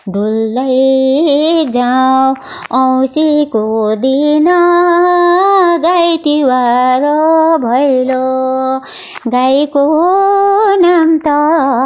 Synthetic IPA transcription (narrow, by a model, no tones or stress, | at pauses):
ɖulːaj | d͡zaw | ʌwsikod̪inʌ | ɡajt̪iwaɾobʱʌjlo | ɡajko | namt̪ʌ